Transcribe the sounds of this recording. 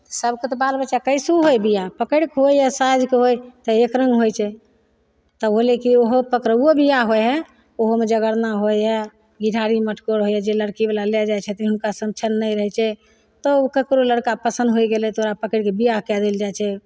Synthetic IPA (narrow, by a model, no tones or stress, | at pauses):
səbʱket̪ɔbalbət͡ʃakəjsuɦojbijapəkəɽkeɦojjasajd͡ʒkeɦojt̪əekɾə̃ŋɡɦojt͡ʃʰɛ | t̪ɔɦolekioɦopəkɾəobijaɦojɦɛ | oɦomed͡ʒəɡəɾnaɦojɛ | ɡiɖʱaɾiməʈʰkoɾɦojɛd͡ʒeləɽkibelalɛd͡ʒajt͡ʃʰɛt̪iɦunkasəmt͡ʃʰənːəjɾəɦɛt͡ʃʰɛ | t̪ɔkəkɾoləɽkapəsə̃nd̪ʱɦojɡelɛt̪oɾapəkəɽkebijakɛd̪eld͡ʒajt͡ʃʰɛ